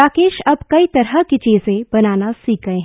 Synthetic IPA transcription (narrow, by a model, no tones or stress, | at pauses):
aːkeːʃɐbkɐit̪ɐɾɦəkit͡ʃiːzẽbɐnaːnasiːk̚ɡɐẽɦ